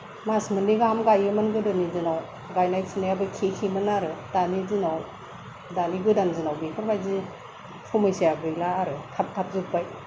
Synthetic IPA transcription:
masmɯniɡamɡajɯmɯnɡɯdɯnizɯnaw | ɡajnajsinajabɯkʰekʰimɯnaɾɯdanizinaw | daniɡɯdanzɯnawbikʰɯɾbajzi | pʰumɯjsijaɡɯjlaːɾɯtʰap̚tʰap̚zɯk̚baj

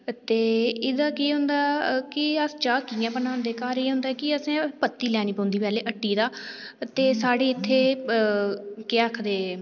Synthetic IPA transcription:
t̪eːɪd̪aːkiːɦʊ̃nd̪aːkɪəst͡ʃaːkiãːbənãːnd̪eːkaːɾiːɦʊ̃nd̪aːkɪəsẽːpət̪ːiːlɛːniːpɔ̃ːnd̪iːpɛːleːʔəʈːiːd̪aː | t̪eːsaːɽeːɪt̪ʰːeː | kɪəkʰd̪eː

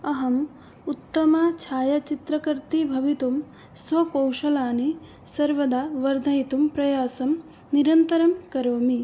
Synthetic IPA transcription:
ɐɦɐm | ut̪ːɐmat͡ʃʰaːjɐt͡ʃit̪ɾɐkɐɾt̪ibʱɐʋit̪um | sʋɐkɐwʃɐlaːni | sɐɾʋɐd̪aːʋɐɾd̪ʱɐjit̪umpɾɐjaːsɐm | niɾɐnt̪ɐɾɐmkɐɾoːmi

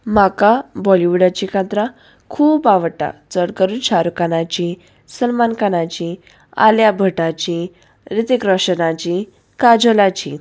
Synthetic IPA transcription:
makabɔliʋuɽat͡ɕikat̪ɾa | kʰuːbaʋəʈa̰t͡səɽkəɾuːnɕaɾukanat͡ɕi | səlmankanat͡ɕi | a̰ljabʱəʈat͡ɕi | ɾit̪ikɾəɕənãt͡ɕi | kad͡zolat͡ɕĩ

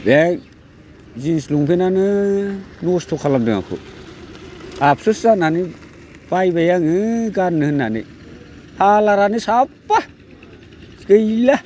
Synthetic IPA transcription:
bɛk | zinsluŋpʰenanɯ | nustʰukʰalamdɯŋa̰kʰṵ | apsusanani | b̥ajbajaŋɯɡanːɯhɯnːanɯ̰ | halaɾanisapːa | sɡɯjla

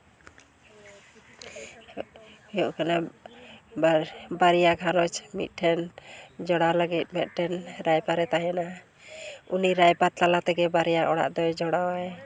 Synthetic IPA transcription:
hɔjɔʔkana | baɾijaɡʱanɔt͡ʃmḭt̪̚ˀʈʰɛnd͡ʒɔɽaləɡit̪̚ˀmɛt̪̚ˀʈʰɛnɾajpaɾɛt̪ajana | uniɾajpat̪alat̪ɛɡɛbaɾijaʔɔɽa̰ʔd̪ɔjd͡ʒɔɽawaj

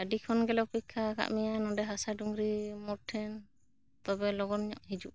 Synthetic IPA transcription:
aɖikʰɔnɡɛlɔpikʰːaka̰ʔmɛjanɔɖɛɦasaɖuŋɡɾimɔɾʈʰɛn | t̪ɔbɛlɔɡɔnɲɔʔhid͡ʒuʔ

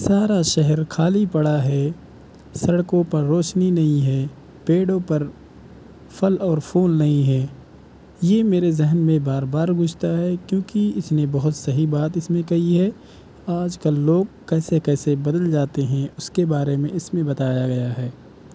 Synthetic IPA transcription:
saːɾaʃɛɦɛɾkʰaːlipɐɽaɦɛ | sɐɽkõpɐɾːoːʃninɐɦĩɦɛː | peːɽõpɐɾ | fʰɐlɔːɾpʰuːlnɐɦĩɦɛː | jeːmeːɾezɛɦnmẽbaːɾbaːɾɡʊd͡ʒʱt̪aɦɛkjõːkiɪsnẽbɐɦʊt̪sɐɦibaːt̪ɪsmẽkɐɦiɦɛː | aːd͡ʒkɐlːoːɡkɛːsekɛːsebɐd̪əld͡ʒaːt̪eɦɛ̃ʊskebaːɾemẽɪsmẽbɐt̪aːjaɡɐjaɦɛː

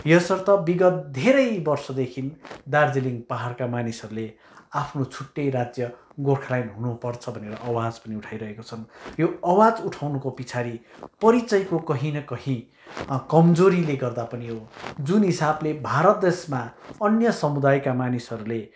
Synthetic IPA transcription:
jʌsʌrt̪ʌbiɡʌt̪̚d̪ʱeɾʌjbʌrsʌd̪ekʰind̪ard͡ziliŋɡpaɦarkamanisʌɾule | apʰnot͡sʰuʈːʌjɾad͡zjʌ | ɡorkʰalajnɦunupʌrt͡sʰʌbʱʌneɾʌʔːwad͡zpʌniuʈʰajɾʌɦekot͡sʰʌnjoʌwad͡zuʈʰawnukopit͡sʰaɾipʌɾit͡sʌjkokʌɦĩnʌkʌɦĩ | kʌmd͡zoɾileɡʌrd̪apʌniɦod͡zunɦisablebʱaɾʌt̪̚d̪esmaʌnjʌsʌmud̪ajkamanisʌɾule

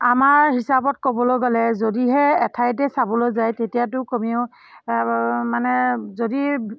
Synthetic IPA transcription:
amaɹhisabɔt̚kɔbɔlojɡɔlɛzodiɦɛɛtʰajt̬ɛsabɔlojzajtetijatʊkomioʊ | manɛzodi

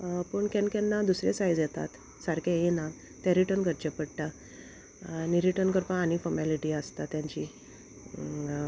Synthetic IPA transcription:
pəɳkɛnkɛnːad̪usɾesajd͡zjɛt̪a̰t̪ | saɾkʰajena | t̪aɾiʈənkəɾt͡ɕepəɽʈa | niɾiʈənkəɾpãːñifɔɾmɛliʈiəst̪at̪jãɲt͡ɕiː

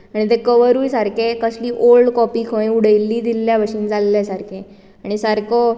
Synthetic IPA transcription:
aɽ̃it̪ẽkəʋəɾuːjsaɾkʰekəsliːʔolɖkɔpiːkʰõẽuɽəjlːiːd̪ilːjaʋəɕiːnd͡zalːasaɾkʰẽ | aɽ̃isəɾkɔ

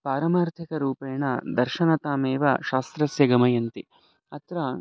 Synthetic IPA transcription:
paːɾɐmaːɾt̪ʰikɐɾuːpeːɳɐd̪ɐɾʃɐnɐt̪aːmeːʋɐ̰ʃaːst̪ɾɐsjɐɡɐmɐjɐnt̪i | ɐt̪ɾɐ

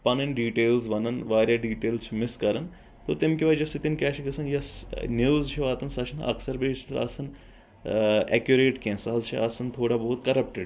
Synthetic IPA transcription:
pɐnɐɳɖiːʈeːlzʋɐnɐnʋaːɾjaːɖiːʈeːlzt͡ʃʰumɪskɐɾɐn | t̪oːt̪ɪmkiʋɐd͡ʒɐsit̪inkʲɛːʃiɡɐsɐnjɐsniʋzt͡ʃʰiʋaːt̪ɐnsɐʃʰɐnɐ̰ksɐɾbeːt͡ʃʰt̪ɐɾɐ̰sɐn | ɛ̰kjuɾeːʈkẽnsaːzt͡ʃʰḭɐsɐnt̪ʰoːɽabɐɦːt̪kɐɾɐp̚ʈɪɖ

